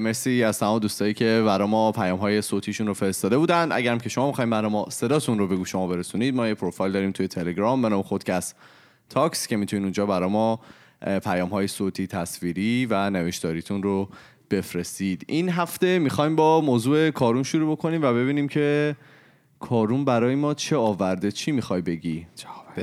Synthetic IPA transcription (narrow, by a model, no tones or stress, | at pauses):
mesiæz̥t̪æmɒmd̪uːst̪ɒːjiːcʰe̞bæɾɒːjmɒpʰæjɒːmɦɒːje̞sot̪ʰiːʃunrofe̞ɾest̪ɒːd̪e̞buːd̪ænd̪ʔæ̰ɟæɾæmcʰe̞ʃomɒːmixɒːhimbæɾɒmɒse̞d̪ɒːt̪ʰunrobe̞ɡuːʃo̞mɒːbe̞ɾesuniːd̪̚mɒːjepʰɾofɒjld̪ɒːɾiːmt̪ʰuje̞t̪ʰe̞le̞ɡɾɒmbenɒːme̞xod̪̥cʰæst̪ | t̪ʰːɒːkscʰe̞mit̪ʰuniːnund͡ʒɒːbæɾɒːjmɒ | pʰæjɒːmɦɒːjesoːt̪ʰiːt̪ʰæsviːɾiːvæneveʃt̪ɒːɾiːt̪ʰunro | b̥e̞fɾe̞st̪iːd̪̥ʔinɦæft̪e̞mixɒːjmbɒːmoːzuːe̞kʰɒːɾumʃuɾuːbo̞kʰo̞niːmvæβe̞βiːniːmcʰe̞ | kʰɒːɾumbæɾɒːjemɒːt͡ʃʰe̞ɒːvæɾd̪et͡ʃʰiːmixɒjbe̞ɟi